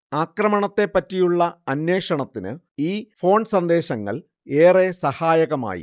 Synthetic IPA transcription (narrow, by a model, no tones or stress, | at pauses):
aːkrɐmɐɳɐt̪ːe̞pːɐtːijuɭːɐɐnwe̞ːʂɐɳɐt̪ːinɨ̰ | iːfo̞ːɳsɐnd̪e̞ːɕɐŋːɐ̰ɭ | e̞ːresɐhaːjɐɣɐma̰ːjḭ